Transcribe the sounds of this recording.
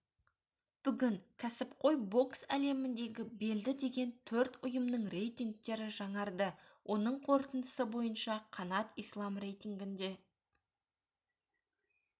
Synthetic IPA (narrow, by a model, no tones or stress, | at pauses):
b̥ʏɡʲɪŋkʲʰæsɪpqʰo̞jbo̞ksæle̞mɪnd̪e̞ɡʲɪbe̞ld̪ɪd̪e̞ɡʲe̞nt̪ʰɵɾt̪ʊjəmnəɴre̞jt̪iŋk̚t̪e̞ɾɪʒɑɴɑɾd̪əwʔo̞nəɴqʰo̞ɾt̪ənd̪ə̥səbo̞jənʃɑqʰɑnɑt̪ijslˠɑmre̞jt̪ʲiŋɡʲɪnd̪e̞